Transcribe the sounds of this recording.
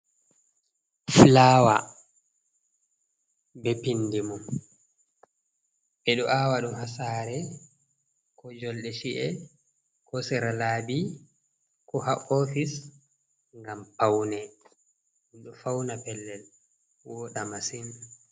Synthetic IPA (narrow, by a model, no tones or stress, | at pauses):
flaːwa̰ | bɛpinːdimum | ɓɛɗɔʔawaɗumhasaːɾɛ | kɔd͡ʒɔlɗɛʃiʔɛ | kɔsiɾalaːbi | kɔhaʔofis | ŋɡampawnɛ | ɛɗɔfawnapɛlːɛl | wɔɗamasin